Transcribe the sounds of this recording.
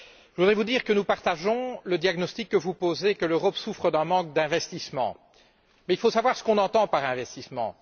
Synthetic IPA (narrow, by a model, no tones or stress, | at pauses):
ʒəvud̪ʁɛvud̪iːʁkənupaʁt̪aʒɔ̃ləd̪jaɡnɔst̪ikːəvupozekəløʁɔpsufχəd̪ɛ̃mɑ̃k̚d̪ɛ̃vɛst̪ismɑ̰̃ | mɛilfosavwaʁsə̥kɔ̃nɑ̃t̪ɑ̃paʁɛ̃vɛst̪ismɑ̰̃